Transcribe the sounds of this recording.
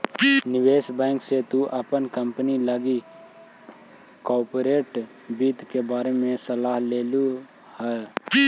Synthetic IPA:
nɪweːsbɛ̃ːŋkset̪uʔəpənkəmpəniləɡi | kɔːɾpɾeːʈ | biːt̪kebaːɾemẽsəlaːɦleːlu | hɛ

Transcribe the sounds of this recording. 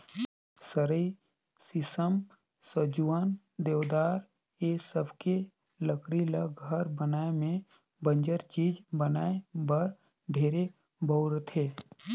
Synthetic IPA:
səɾəi | sɪsəm | səd͡ʒuaːn | d̪eːʋd̪aːɾ | esəbʱke | ləkɾiləɡʱəɾbənaːemẽ | bə̃ɲd͡ʒəɾt͡ʃiːd͡ʒbənaːebəɾ | ɖʱeːɾe | bʱəwɾt̪ʰeː

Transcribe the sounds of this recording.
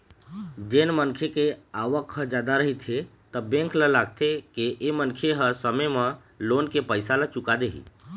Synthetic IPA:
d͡ʒenmənkʰekeaʋəkɦə̃d͡ʒad̪aɾəɦit̪ʰe | t̪əbẽŋkləlaɡ̚t̪ʰekeʔemənkʰeɦəsəməjmə | lonkepəjsalət͡ʃukad̪eɦḭ

